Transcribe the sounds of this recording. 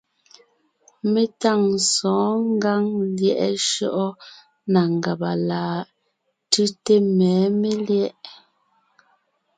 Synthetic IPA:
me˦ta˦˨ŋsɔ̃ː˨˦ŋ˦ɡa˦ŋljɛ˦˨ʔɛ̰˦ʃɔ˦ʔɔ˦ | na˨ŋ˨ɡa˨ba˨laː˨ | tʉ˦te˦mɛː˨˦me˦ljɛ˦ʔ

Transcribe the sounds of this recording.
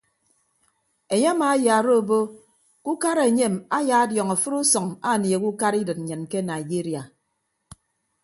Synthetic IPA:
e˨ɲe˦a˦maː˨˦ja˨ɾo˦˨bo˦ | ku˦ka˦ɾe˨ɲe˦˨ma˦ja˨a˦djɔ˨ŋa˨fɨ˦ɾu˦sɔ˨ŋa˦˨ni˨e˨ku˦ka˦ɾi˦dɨ˨t̚n̩˨ɲɨ˨n˨ke˦na˨i˨d͡ʒi˦ɾija˨

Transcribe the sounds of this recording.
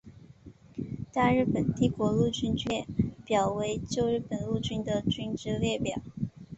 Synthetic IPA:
t̪a˥˧ɻ̩˥˩pə˨˩nt̪i˥˩kwɔ˧˥lu˥˩t͡ɕy˥nt͡ɕɥɛ˥˩pjɑ˨˩ʊwe˧˥ɪt͡ɕjo˥˧ʊɻɻ̩˥˩pə˨˩nlu˥˩t͡ɕy˥nd̪ə˨t͡ɕy˥nʈ͡ʂɻ̩˥ljɛ˥˩pjɑ˨˩˦

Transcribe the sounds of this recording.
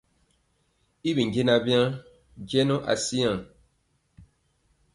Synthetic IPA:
i˦bi˨ŋ˨ɡi˦na˦bjã˦ | d͡ʒjɛ˦no˦ʔa̰˨si˦ã˨

